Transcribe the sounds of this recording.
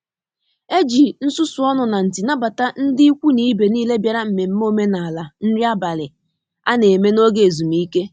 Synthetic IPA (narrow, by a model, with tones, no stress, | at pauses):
e˦d͡ʒi˨n̩˦sʊ˦sʊ˨˦ɔ˦nʊ˨na˨n̩˨ti˨na˦ba˨ta˦n̩˦dɪ˦i˦kʷu˦ni˦be˨niː˦le˦bja˨ɾa˦m̩˨me˨m̩˦m˦o˦me˦na˨a˨la˨n̩˦ɾɪ˦a˦ba˨lɪ˨ | a˦ne˨me˦no˦ɡe˦˨e˨zu˨mi˦ke˦